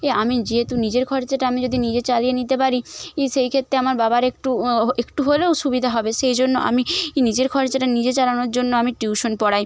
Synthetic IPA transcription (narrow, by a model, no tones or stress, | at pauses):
eamid͡ʑiɦet̪unid͡ʑeɾkʰɔɾd͡ʑaʈaamid͡ʑod̪ʱinid͡ʑet͡ɕalijenit̪epaɾieʃejkʰet̪ːɾeamaɾbabaɾekʈuekʈuɦoleoʃubid̪ʱaɦɔbeʃejd͡ʑonːoʔa̰minid͡ʑeɾkʰɔɾd͡ʑaʈanid͡ʑet͡ɕalanoɾd͡ʑonːoamiʈɾuuʃonpɔɽaj